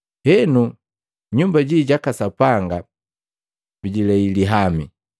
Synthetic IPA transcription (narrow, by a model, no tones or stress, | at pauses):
hɛnu | ɲumbaɟiɟakasapaŋɡa | biɟilɛiliɦamḭ